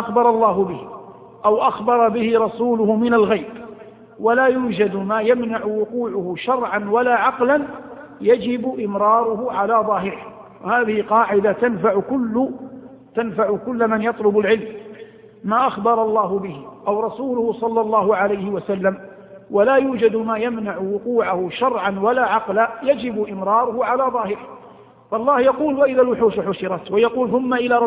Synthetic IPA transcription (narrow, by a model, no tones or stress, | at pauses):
axbɑɾˤɑlˤːɑːɦʊbɪh | ʔawʔaxbɑɾˤɑbɪhɪɾˤɑsuːlʊhʊmɪnalɣajb | walaːjuːd͡ʒad̪maːjamnaʕʊwʊquːʕʊhʊʃɑɾˤʕɑnwalaːʕɑqlan | jad͡ʒɪbʊʔɪmɾˤɑːɾˤʊɦʊʕalaːðˤɑːɦɪɾɪh | wahaːðɪhɪqɑːʕɪd̪at̪anfaʕʊkʊlːʊ | t̪anfaʕʊkʊlːmanjɑt̪ˤlʊbalʕɪlmː | aːʔaxbɑɾˤɑlˤːɑːɦʊbɪhɪʔawɾˤɑsuːlʊhʊsˤɑlːɑlˤːɑːɦʊʕalajhɪwasalːam | walaːjuːd͡ʒad̪maːjamnaʕʊwʊquːʕahʊʃɑɾˤʕanwalaːʕɑqlajad͡ʒɪbʔɪmɾɑːɾˤʊhʊʕalaːðˤɑːhɪɾɪh | faʔɑlˤːɑːhjɑquːlwaʔɪðalwʊħuːʃħʊʃɪɾˤɑt̪wajɑquːlθʊmːaʔɪlaːɾˤ